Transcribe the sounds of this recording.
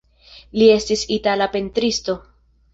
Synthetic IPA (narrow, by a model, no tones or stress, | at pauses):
lie̞stisitalapentɾisto̞